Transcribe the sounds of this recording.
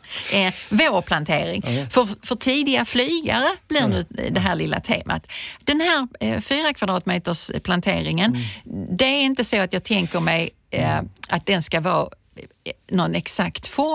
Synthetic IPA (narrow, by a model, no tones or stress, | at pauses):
ɛvoːɾpʰlant̪ʰeːɾɪŋfœɾfœʈʰiːd̪ɪaflyːɡa̰ɾəb̥lɪɾnʉ̟ːd̪ɛɦæːɭɪlːa̰t̪ʰḛːmʔa̰t̪d̪̥ɛnɦæːɾfyːɾakʰvad̪ɾɑːt̪meːt̪əʂpʰlant̪ʰḛːɾɪŋənd̪ɛæɾɪnt̪əsoat̪jɑːɡ̚t̪ʰɛŋkəɾmɛj | at̪̚d̪ɛnskavɑː | nɔnɛksakt̪fɔ